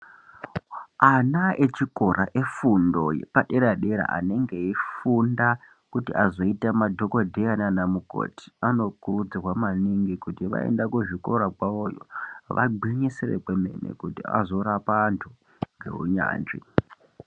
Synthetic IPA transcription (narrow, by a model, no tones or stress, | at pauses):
anaet͡ʃiko̞rʔaʔe̞fundo̞jḛpaɗeɾaɗeɾa̰ʔa̰ne̞ŋɡe̞ifunda | kutiʔazo̞itamadʱo̞kodʱejananamuko̰ːti̥ano̞kurud͡zirwamaniŋɡikutiʋa̰e̞̰ndakuʐiko̞ɾakwaojo̰ʋʔa̰ɡ͡bʱiɲiserḛkweme̞̰nḛkutḭa̰zo̞ɾapantʰu | ŋɡe̞̰ɦṵɲa̰ːnd͡ʒḭ